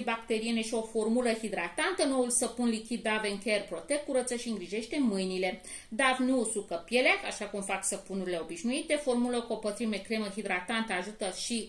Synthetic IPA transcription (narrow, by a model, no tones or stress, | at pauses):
bakt̪e̞ɾie̞ne̞ʃio̞fo̞rmuləhid̪ɾat̪ant̪əno̞ulsəpunlikʲid̪̚ːave̞ɨŋkʲerpɾo̞t̪e̞k̚kːuɾət̪səʃiɨŋɡɾiʒe̞ʃt̪e̞mɨjnile̞ | d̪avnusukəpjeleakaʃakumfaksəpunuɾile̞o̞biʃnuit̪e̞fo̞rmuləkopət̪ɾime̞kɾe̞məɦid̪ɾat̪ant̪əaʒut̪əʃi